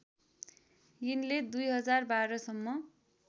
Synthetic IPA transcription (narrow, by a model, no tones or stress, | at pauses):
jinled̪ujɦʌd͡zarbaɾʌsʌmːʌ